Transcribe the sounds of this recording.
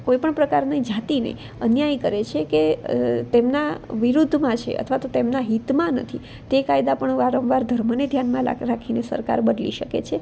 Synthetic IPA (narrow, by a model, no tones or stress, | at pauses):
koipəɳpɾəkaɾnaid͡ʒat̪inḛi | ənjajkəɾet͡ʃʰeket̪emnaʋiɾud̪ʱmãt͡ʃʰḛʔə̰t̪ʰʋat̪ot̪emnaɦit̪mãnə̰t̪ʰi | t̪ekajd̪apəɳʋaɾə̃mʋaɾd̪ʱəɾməned̪ʱjanmãla̰ɾakʰinesə̰ɾka̰ɾbəd̪lḭʃəkḛt͡ʃʰe